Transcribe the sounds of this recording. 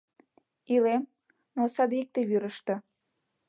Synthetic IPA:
ilem | nosɑb̪ik̚t̪eβyɾəʃt̪ɤ̆

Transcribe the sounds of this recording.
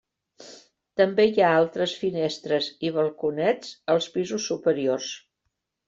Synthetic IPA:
t̪əmbeiaalˠt̪ɾəsfinɛst̪ɾəziβ̞əlˠkunɛd͡zəlˠspizusːupəɾiors

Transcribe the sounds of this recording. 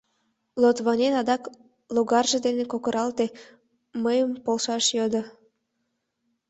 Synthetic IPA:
lot̪βɑnʲenɑd̪ɑk | loɣɑrʒed̪enekokəɾɑlt̪e | məjəmpolʃɑʃjod̪ə

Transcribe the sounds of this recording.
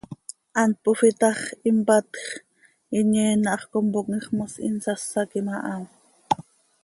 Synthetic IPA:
ʔɑnt̪̚pofit̪ɑχimpɑt̪χ | iɲɛːnɑʔɑχkompok̚ŋiχmɑsḭnsɑsːɑkimɑʔɑm

